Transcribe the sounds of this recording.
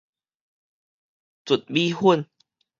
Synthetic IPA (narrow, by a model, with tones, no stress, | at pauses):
t͡su˨˩t̪̚bi˦hu˥ə˨n